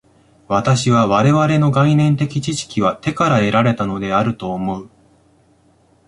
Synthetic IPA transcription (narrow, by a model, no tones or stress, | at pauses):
βat̪aɕiβ̞aβ̞aɾe̞βaɾe̞no̞ɡainẽ̞nt̪e̞kʲit͡ɕiɕi̥kʲiβat̪e̞kaɾae̞ɾaɾe̞t̪ano̞d̪e̞aɾɯ̟t̪o̞ːmo̞ɯ̟